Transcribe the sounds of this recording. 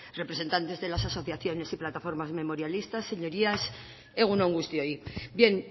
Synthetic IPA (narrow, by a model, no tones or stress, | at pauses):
re̞pɾe̞se̞nt̪ant̪e̞zðe̞lasaso̞θjaθjo̞ne̞siplat̪afo̞ɾmazme̞mo̞ɾjalist̪asːe̞ɲo̞ɾias | eɣunouŋɡust̪jojbje̞ŋ